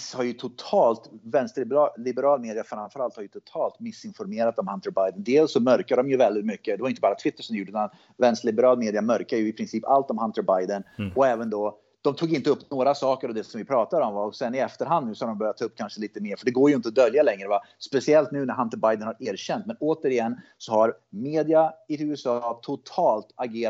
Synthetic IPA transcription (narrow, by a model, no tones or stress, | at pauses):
shaɾjɵt̪ʰʊt̪ʰɑːlt̪vɛnst̪ɪblɪbɛɾɑːlmeːd̪ɪafɾamfœɾalt̪haɾjɵt̪ʰʊt̪ʰɑːlt̪mɪsːɪnfɔɾmeːɾat̪ɔmhant̪əɾbajd̪ənd̪eːlsːɔmœɾkad̪d̪ɔmjɵvɛld̪ɪt̪mʏkːəd̪ɛvajʏɪt̪əbɑːɾat̪ʰvɪt̪ːəʂɔmd̪juːɖəʉːt̪an | vɛnst̪ɭɪbəɾɑːlmeːd̪ɪamœɾkajɵɪpʰɾɪnsiːpa̰lt̪ɔmhant̪əɾbajd̪ənɔɛːvənd̪ɔ | d̪̥ɔmt̪ʰuːɡɪnt̪əɵpːnoːɾasɑːkəɾɔd̪ɛsɔmvɪpʰɾɑːt̪ad̪əɔmvaɾɔksɛnːɪɛft̪əɾɦand̪nʉ̟ːsɔhaɖ̪ɔmbœɾjat̪ʰːɑːɵpːkʰanʂəliːt̪əmeːɾfœɖɛɡoːɾjɵɪnt̪əɔd̪œljalɛŋːɾəvaspɛsɪɛlt̪nʉ̟ːnæɾɦant̪əbajd̪ənhaɾeːɾɕɛnt̪mɛnoːt̪əɾɪɛnː | sɔhaɾ | meːd̪ɪaɪʉːɛsɑːt̪ʰʊt̪ʰɑːlt̪aɡeː